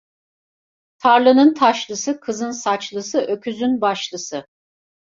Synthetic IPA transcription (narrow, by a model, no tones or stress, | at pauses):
t̪ʰaɾlˠɯnɯnt̪ʰaʃlˠɯsɯkʰɯzɯnsat͡ʃlˠɯsɯʔø̞kʰyzynbaʃlˠɯsɯ